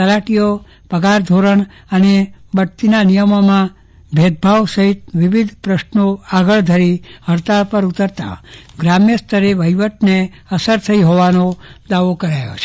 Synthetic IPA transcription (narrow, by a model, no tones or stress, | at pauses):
t̪əlaʈijo | pəɡaɾd̪ʱoɾəɳ | ənebəʈt̪inanijəmomã | bʱed̪̚bʱaʋsəɦit̪̚ʋiʋid̪ʱpɾəʃnoaɡəɭd̪ʱəɾiɦəɾt̪apəɾut̪əɾt̪a̰ɡɾamjəst̪ʰəɾeʋəjʋəʈne | əsəɾt̪ʰəiɦoʋanod̪aʋokəɾajo̰t͡ʃʰe